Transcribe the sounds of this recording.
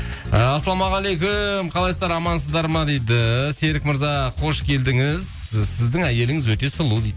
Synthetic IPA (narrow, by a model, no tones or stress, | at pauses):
ɑsːɑlˠɑmɑʁɑlˠejkʲʊmqʰɑlˠɑjszd̪ɑɾɑmɑnsəzd̪ɑɾmɑd̪ejd̪ɪse̞ɾɪkməɾzɑqʰo̞ʃkʲʰe̞ld̪ɪŋɪz | sɪzd̪ɪŋæje̞lɪŋɪzwɵt̪e̞səlˠud̪ejd̪